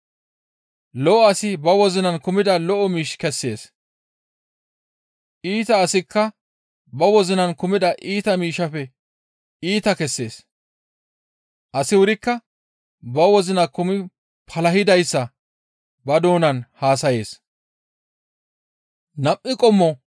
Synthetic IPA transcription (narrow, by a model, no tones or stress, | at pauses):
lɔʔɔɐsɪbɐwɔzɪnɐnkʊmɪd̪ɐlɔʔɔmiːʃkɛsːe̞ːs | ʔiːt̪ɐːsɪkːɐ | bɐwɔzɪnɐnkʊmɪd̪ɐʔiːt̪ɐmiːʃɐpɛ | iːt̪ɐkɛsːe̞ːs | ʔɐsɪwʊɾɪkːɐ | bɐwɔzɪnɐkʊmɪ | pʰɐlɐhɪd̪ɐjsːɐ | bɐd̪o̞ːnɐnhaːsɐje̞ːs | nɐpʼːɪkʼɔmːɔ